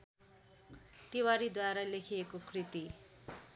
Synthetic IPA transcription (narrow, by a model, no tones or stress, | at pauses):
t̪ewaɾid̪waɾalekʰiekokrit̪i